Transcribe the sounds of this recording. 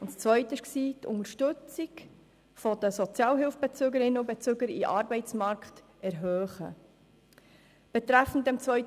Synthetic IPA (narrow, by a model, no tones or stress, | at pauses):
ʊntst͡svœʏtəɪʃksiːt̪ʰʊ̰ŋəʃtɵt͡sik | fɔd̥əsɔt͡sjɑːlɦɪlfb̥et͡søɡəɾɪnːəʊbɛt͡søɡəɾḭʔɑːɾbɛɪt͡smɑɾkχt | ɛɾɦøːχə̰ | b̥ɛt̪ɾæfn̩tɛmt͡svœʏt